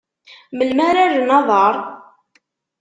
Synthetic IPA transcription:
məlmæɾaɾnɑðˤəɾˤ

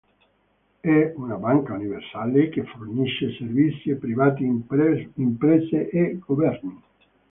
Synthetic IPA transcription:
ɛunabaŋkauniversalekeforniʃeservit̪sːjepɾivaːt̪i | impɾɛzeʔeɡovɛrni

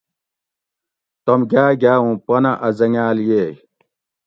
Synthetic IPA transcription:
t̪ɐmɡaːɡʲaːũpɐnɐʔɐzɐŋaːljeː

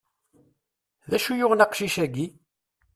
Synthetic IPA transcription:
ðæʃujʊʁnɑqʃiʃæɡi

